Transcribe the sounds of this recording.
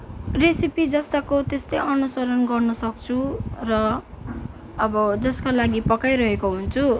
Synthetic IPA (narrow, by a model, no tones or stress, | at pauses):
risipid͡zʌst̪akot̪est̪ʌjʔʌnusʌɾʌnɡʌrnʌsʌk̚t͡sʰurʌ | bʌd͡zʌskalaɡipʌkajɾʌɦekoɦunt͡sʰu